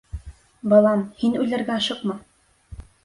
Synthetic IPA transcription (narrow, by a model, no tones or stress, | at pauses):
bɤ̆lˠɑmhinʉlɘ̆ɾɡæɑʃɤqmɤ